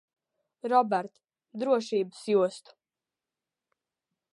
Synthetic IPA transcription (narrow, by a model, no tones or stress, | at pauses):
ɾɔbɛɾt̪ | d̪ɾuɔʃiːbɨsjuɔst̪u̥